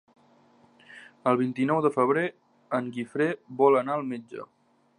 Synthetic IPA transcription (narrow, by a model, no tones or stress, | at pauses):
əlˠβint̪inɔwðəfəβ̞ɾe | əŋɡifɾeβɔlənaəlˠmed͡ʒə̰